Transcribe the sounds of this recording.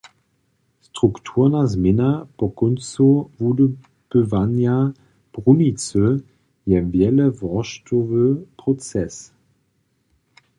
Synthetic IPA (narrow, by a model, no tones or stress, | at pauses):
stʁ̥uktʰuːʁnazmɛnapɔkɔnt͡suvud | b̥əvanja | b̥ʁunit͡sə | jɛvjɛlɛvɔʃtɔvəpʁɔt͡sɛs